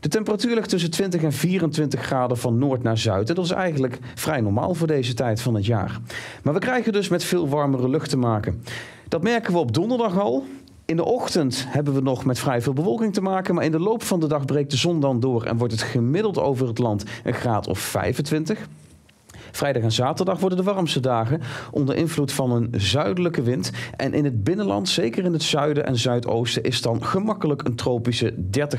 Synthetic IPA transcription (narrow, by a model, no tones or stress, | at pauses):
d̥ətɛmpəratyːɹlɪχtɵs̬əntʋɪntəχɛnviːrəntʋɪntəχraːdəvɑnːʊːɹtnaːɹzœɥtɛndɑtɪsɛ̰jχənlək | frɛjnɔɹma̰ːlˠvʊːɹdejzətɛjtfɑnɦətja̰ːɹmaːɹʋəkrɛjəndɵsmɛtfɪːlˠʋɑɹmərəlɵχtəmaːkən | d̥ɑtmɛɹkənʋəɔb̚dɔndəɹdɑχɑlˠ | ɪndəʔɔχtəntɦɛbənʋənɔχmɛtfrɛjvɪːlˠbəvɔlˠkɪŋtəmaːkənmaːɹɪndəlowpfɑndədɑχbrejk̚dəzɔndɑndʊːɹɛ̰nʋɔɹtətχəmɪdəlˠto̰wvərətlɑntənχraːtʰɔ̰fːɛ̰jvəntʋɪntəχ | frɛjdɑχaːnzaːtəɹdɑχʋɔɹdəndəʋɑrəmstədaːχəʔɔndəɹʔɪnvlutfɑnənzœɥdələkəʋɪntʔɛ̰nʔɪnɦəd̚bɪnənlɑ̰ntsejkərɪnətsœɥdəʔɛ̰nzœɥto̰wstəʔɪsdɑnχəmɑkələkəntrowpisədɛɹtə